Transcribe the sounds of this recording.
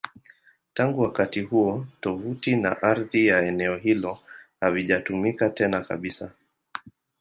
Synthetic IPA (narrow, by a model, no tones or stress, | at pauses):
taŋɡuwakatihuɔtɔvutina̰ʔaɾðijaɛnɛɔɦilɔhaliʄatumikatɛnaka̰ɓisa